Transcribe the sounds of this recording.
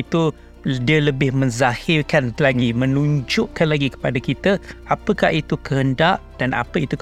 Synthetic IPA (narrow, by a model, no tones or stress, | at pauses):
it̪u | diələbɪhmə̃ɲzahɪrkanlaɡimə̃nũɲd͡ʒʊʔkanlaɡikə̥padakit̪əapəkaʔit̪ukəɦəndaʔd̥ana̰pəit̪u